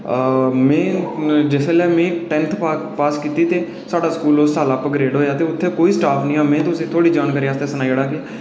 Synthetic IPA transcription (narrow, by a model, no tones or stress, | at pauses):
mɛ̃ːd͡ʒɪseːlɛːmẽːʈɛ̃ːnt̪ʰapaːskiːt̪iːt̪eː | saːɖaːskuːloːsaːlaːpəɡɾeːɖɦoːjaːt̪eːʊt̪ʰːeːkoːiːsʈaːpʰnĩːãːmɛ̃ːt̪ʊsĩːt̪ʰoːɽiːd͡ʒaːnkəɾiːaːst̪eːsənaːiɽaːkɪ